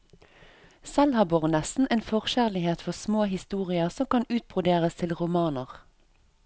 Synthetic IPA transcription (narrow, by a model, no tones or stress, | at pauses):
sɛlhɑːbɔʁnɛsn̩ʔeːnfɔʁʃæʁlɪheːt̪fɔʁsmoːɦɪst̪uːʁɪəsɔmkɑnʉːt̪̚bʁʊd̪eːʁəst̪ʰɪlʁʊmɑːnəʁ